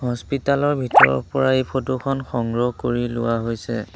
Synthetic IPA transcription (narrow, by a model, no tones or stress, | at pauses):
ɦɔspitalɔɹbʱitɔɹɔ̰ɹpɔɹaejpʰotukʰɔnxɔŋɡɹɔkoɹilʊwaɦojsɛ̰